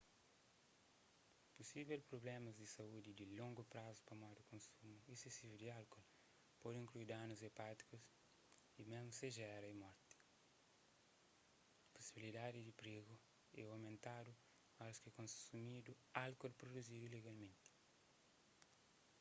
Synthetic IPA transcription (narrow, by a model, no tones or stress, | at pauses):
pusivɛlpɾoblɛmɐzd̪isɐud̪id̪ilõŋɡupɾazu̥pɐmad̪ukõnsumuisesivud̪ialkɔl | pɔd̪ĩŋkluid̪ãnuzepat̪i̥kus | imezmuseʒɛɾɐimɔɾt̪i̥ | pu̥sibilid̪ad̪id̪ipɾiɡu | ɛawmẽnt̪ad̪u | askikõsumid̪u | alkolpɾod̪uzid̪uleɡalmẽnt̪i̥